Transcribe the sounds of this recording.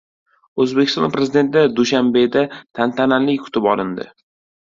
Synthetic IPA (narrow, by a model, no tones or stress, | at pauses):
ɵzbekʲʰɪst̪ɒ̰npɾe̞zid̪e̞nt̪ʰɪd̪ad̪uʃambe̞d̪at̪ʰant̪ʰananlɪkʲkʰʊ̥t̪ʰɪpɒlɪnd̪ɪ̰